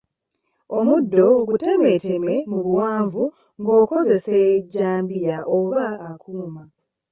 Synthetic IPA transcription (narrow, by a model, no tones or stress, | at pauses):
o̞mudːo̞ɡute̞me̞te̞me̞muβuwaːɱvu | ŋɡo̞ːko̞ze̞se̞ːɟːaːmbijaʔoβaːkʰuːma